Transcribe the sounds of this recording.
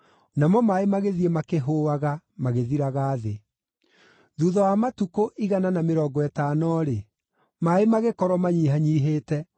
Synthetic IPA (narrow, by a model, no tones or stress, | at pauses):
namɔmaemaɣeðiemakeɦoːaɣamaɣeðiɾaɣaːðe | ðuðɔwamatukoʔiɣananameɾɔːɡɔɛtanɔɾe | maemaɣekɔɾwɔmaɲiɦaɲiːɦeːtɛ